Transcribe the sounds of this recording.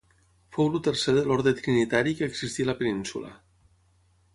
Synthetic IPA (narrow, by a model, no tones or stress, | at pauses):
fowlut̪eɾseðelɔɾðɾet̪ɾinit̪aɾikəːɡzist̪ilapeninsṵla̰